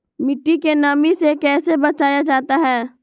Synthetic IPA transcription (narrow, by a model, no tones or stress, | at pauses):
mɪʈːikenaːmisekɛːsebɐt͡ʃaːjad͡ʒaːt̪aɦɛː